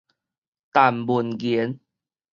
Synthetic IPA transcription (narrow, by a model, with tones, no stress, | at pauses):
t̪a˨˩mbu˨˩nɡi˨˦n